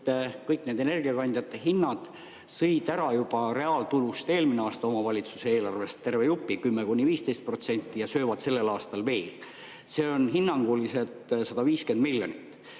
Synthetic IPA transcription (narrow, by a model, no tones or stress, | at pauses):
kɤjkne̞d̪e̞ne̞rɡiɑkɑnʲd̪̥jɑt̪ːˑe̞ɦinːɑd̪̥ | sɤjd̪̥æɾɑjub̥ɑɾe̞ɑːlt̪ulust̪eːlmineɑːst̪ɑo̞mɑvɑlʲit̪su̥se̞eːlɑrve̞st̪ːe̞rve̞jupːikymːekunːiviːst̪e̞jst̪̚pro̞t̪se̞nʲt̪ːˑijɑsø̞ːvɑd̪se̞lːe̞lɑːst̪ɑlve̞ːl | se̞ːo̞nɦinːɑŋɡ̥ulise̞t̪sɑd̪̥ɑviːske̞nd̪̚miljonʲit̪ːˑ